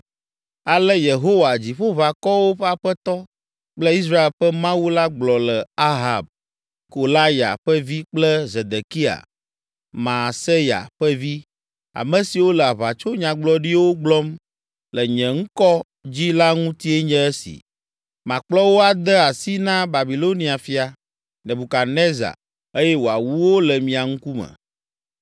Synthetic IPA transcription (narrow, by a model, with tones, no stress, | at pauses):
a˨lɛ˦je˨ɦo˦wa˨d͡ʑi˨ɸo˦βa˨kɔ˦wo˦ɸa˨ɸɛ˦t̪ɔ˦ | k͡plə˦i˦s̬ɾa˦e˨lɸə˦mã˦wu˦la˦ɡ͡blɔ˨lɛ˨a˦ɦa˨b̚ | ko˨la˦ja̰˨ɸə˦vi˦k͡plɛ˦ze˨d̪e˨ki˦a̰˨ | mã˨se˦ja̰˨ɸə˦vi˦ | a̰˨mɛ̃˨si˨wo˦lə˨a˨βa˨t͡ʃo˦ɲã˨ɡ͡blɔ˦ɖi˦wo˦ɡ͡blɔ˦m | lə˨ɲɛ̃˨ŋ̩˦kɔ˦ | d͡ʑi˦la˦ŋũ˦t̪i˦e˦ɲɛ̃˦ɛ˦sḭ˨ | mã˨k͡plɔ˦wo˦a˨d̪ə˦a˨si˦nã˦ba˨bi˨lo˦nĩ˦a˨fi˦a˨ | nɛ̃˨bu˨ka˨nɛ̃˦za̰˨ | e˦jɛ˦wo˨a˨wu˦wo˦lə˨mĩ˨a˨ŋ̩̃˦ku˦mɛ̰˨